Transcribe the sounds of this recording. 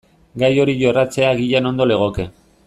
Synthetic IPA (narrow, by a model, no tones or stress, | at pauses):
ɡajo̞ɾiʝo̞rat͡se̞aɣiʎano̞nd̪o̞le̞ɣ̞o̞ke̞